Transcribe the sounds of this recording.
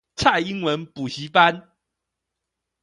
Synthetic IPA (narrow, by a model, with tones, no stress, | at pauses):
t͡sʰa˥˩ɪi˥ŋwə˧˦npu˨˩ɕi˧˥pa˦˥n